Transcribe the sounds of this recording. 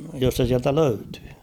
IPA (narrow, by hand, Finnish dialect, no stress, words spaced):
jos se siæltæ løytẙː